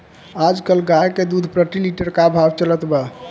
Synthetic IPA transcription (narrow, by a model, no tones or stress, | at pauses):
ad͡ʒkəlɡajked̪ud̪ʱpɾəʈiliʈəɾkabʱabt͡ʃələt̪bə